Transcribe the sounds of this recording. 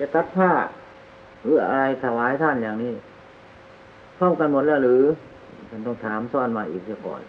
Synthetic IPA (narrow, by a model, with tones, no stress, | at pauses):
t͡ɕa˧ka˦˥p̚t̪ʰaː˧˥˩ | ʔɯː˧˩ʔa̰˧ɾa˧jt̪ʰa˧˩waː˨˦jt̪ʰa˧˥˩njaː˨˩ŋniː˦˥˩ | pʰɔː˥˨mka˧nmo˨˩t̪̚lɛː˧˩wɾɯː˨˦˧ | tʰa˧˩nt̪ɔː˧˥˩ŋt̪ʰaː˨˦msɔː˧˩˨nmaː˧ʔḭː˨˩k̚tʰa˧˩kɔ̰ː˨˩n